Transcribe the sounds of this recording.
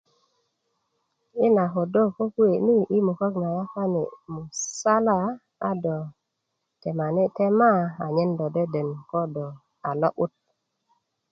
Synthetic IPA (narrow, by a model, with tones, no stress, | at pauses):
i˦na˨ɦo˨do˦˨ko˦ku˦e˨ni˦ʔi˦mu˨ko˦kna˨ja˦ka˦nḭ˨mu˨sa˦la˦˨ | a˦dɔ˨ | te˨ma˨ni˦te˦ma˦a˨ɲe˦ndo˨de˦də˨nkɔ˦dɔ˨ | a˨lo˦ʔu˦t̚